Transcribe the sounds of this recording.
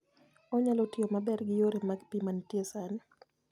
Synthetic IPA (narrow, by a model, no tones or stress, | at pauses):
ɔɲalotiomabɛɾɡɪjoɾemaɡpimantiesanɛ